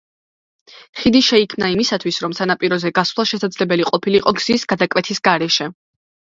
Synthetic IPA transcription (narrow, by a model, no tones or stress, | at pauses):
χid̪iʃɛikʰmnaimisat̪ʰwisɾɔmsanapʼiɾɔzɛɡasvlˠaʃɛsad̪zlɛbɛliqʼɔpʰiliqʼɔɡz̥isɡ̥ad̪akʼwɛt̪ʰisɡaɾɛʃɛ